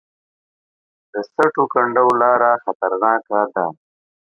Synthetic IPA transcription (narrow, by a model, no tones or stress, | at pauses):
d̪əsaʈokaɳɖawlɑːɾaxat̪aɾnɑːkad̪a